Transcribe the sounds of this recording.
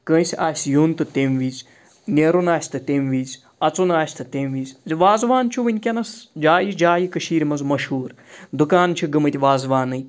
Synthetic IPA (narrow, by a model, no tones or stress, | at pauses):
kə̃ːsʲaːsʲjuːnt̪ɨt̪emʋiːz | nʲeɾunaːsʲt̪ɨt̪emʋiːzʲ | ɐt͡sunaːsʲt̪ɨt̪emʋiːzʲziʋaːzʋaːnt͡ʃʰuʋɨnʲkʲɐnɐsd͡ʒaːjid͡ʒaːjikɐʃiːɾʲmɐnzmɐʃɦuːɾ | d̪ukaːnt͡ʃʰiɡɨmɨt̪ʲiʋaːzʋaːnɨj